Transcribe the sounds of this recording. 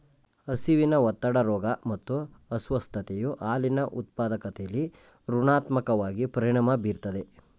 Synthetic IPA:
ɐsiʋinɐʋɐt̪ːɐɽɐɾɔːɡɐmɐt̪ːuɐsʋɐst̪ʰɐt̪ejuʔaːlinɐʔut̪̚paːd̪ɐkɐt̪ɛjɐlːi | ɾuɳaːt̪mɐkɐʋaːɡipɐɾiɳ̃ɐmɐbiːɾt̪ɐd̪e

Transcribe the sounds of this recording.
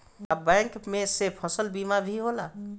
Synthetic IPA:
əbɛ̃ːŋkmẽsepʰɔsəlbiːmabʱiɦoːla

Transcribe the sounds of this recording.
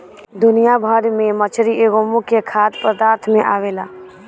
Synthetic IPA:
d̪ʊnɪjabʱəɾmẽmət͡ʃʰɾiʔeɡomũkekʰaːt̪pɾəd̪aːɾt̪ʰmẽʔaːʋelaː

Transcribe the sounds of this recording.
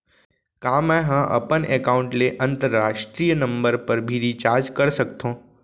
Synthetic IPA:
kãmə̃ɦãʔə̰pənekaũɳʈleʔənt̪əɾːaʃʈɾijənəmbəɾpəɾbʱiɾit͡ʃaɾd͡ʒkəɾsəkt̪ʰõ

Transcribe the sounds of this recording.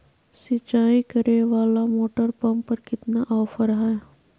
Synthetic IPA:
sɪt͡ʃaːikɐɾeʋaːlamoːʈəɾpɐ̃mpɐɾkɪt̪naʔɔːfəɾɦae

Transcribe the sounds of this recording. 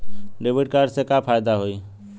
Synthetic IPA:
ɖebɪʈ̚kaɾɖsekapʰaːjd̪aɦoiː

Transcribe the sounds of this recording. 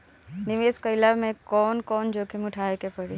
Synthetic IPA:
nɪʋeːskəɪlamẽkɔːnkɔːnd͡ʒoːkemũʈʰaːekepəɽe

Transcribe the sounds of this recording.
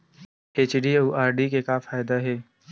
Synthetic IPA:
eːt͡ʃɖiuːʔaːɾɖikekafaːjd̪aɦɛː

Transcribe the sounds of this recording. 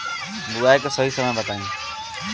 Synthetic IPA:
duaeksəɦiːsəmə̃bət̪aːĩː

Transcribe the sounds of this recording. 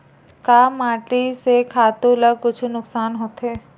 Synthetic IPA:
kaːmaːʈisekʰaːt̪uləɡ̚kʊt͡ʃʰnʊksaːnɦoːt̪ɦeː

